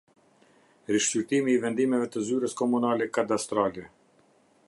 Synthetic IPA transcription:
ɾiʃt͡ɕyɾt̪imiːvɛnd̪imɛvɛt̪əzyɾəskɔmunalɛkad̪ast̪ɾalɛ

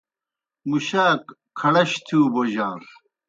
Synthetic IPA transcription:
muɕaːk | kʰːɐɽɐɕt̪ʰuːboʑaːɾ

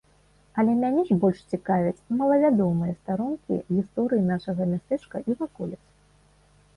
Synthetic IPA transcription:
ɐlʲɛmʲanʲɛʐbɔlʲʂt͡sʲikavʲɛt͡sʲmɐlˠɐvʲad̪ɔmɨjɐst̪aɾunkʲḭɣʲist̪ɔɾɨjinaʂɐɣɐmʲast̪ɛt͡ʂkɐʔivakɔlʲɛt̪s

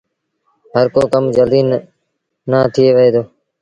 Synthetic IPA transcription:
ɦəɾkoːkəmd͡ʒəld̪iːnː | aːt̪ʰɪeːʋəeːd̪oː

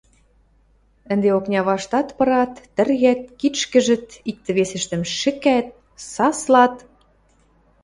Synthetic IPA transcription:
ə̆nd̪eoknʲɑβɑʃt̪ɑt̪pɤ̆ɾɑt̪ːə̆rɣæt̪̚kiʃkə̆ʒɘ̆t̪ik̚t̪ə̆βesĕʃt̪ə̆mʃɘ̆kæt̪̚ | sɑslɑt̪

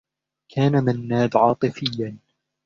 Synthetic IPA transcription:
kʰaːnamanːaːd̪ʕɑːt̪ˤɨfɪjːan

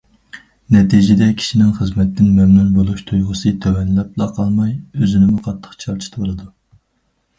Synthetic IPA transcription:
nɛt̪ʰid͡ʒɪd̪ɛkʲʰi̥ʃinɪŋχəzmɛt̪ːɪnmɛmnunbolˠuʃt̪ʰujʁʊsɨt̪ʰøwɛnlɛp̚lˠɑqʰɑlˠmɑjøzɪnɪmuqʰɑt̪ʰːə̥χt͡ʃʰɑɾt͡ʃʰi̥t̪ʰbolˠɨd̪u

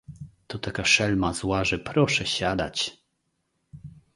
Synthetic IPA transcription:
t̪ɔt̪akaʂɛlmazwaʐɛpɾɔʂɛɕad̪a̰t͡ɕ

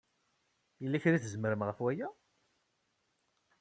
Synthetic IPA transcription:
jəlːæçɾiθəzməɾəmʁəfwæjæ

